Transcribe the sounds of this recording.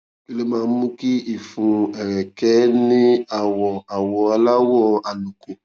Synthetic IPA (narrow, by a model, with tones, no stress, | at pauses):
e˦le˦mãː˨˧˦mũ˦ki˦i˨fũ˧ɛ˨ɾɛ˨kɛ˨˦nĩ˦a˨wɔ˨a˨wɔ˧a˧la˦wɔ˦a˨nũ˨ko˨